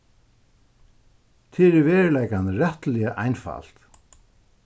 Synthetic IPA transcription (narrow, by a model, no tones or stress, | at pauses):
t̪ʰɪːɾɪvɛːɹlɛjkanɾɛht̪lɪjaʔajnfa̰l̥t̪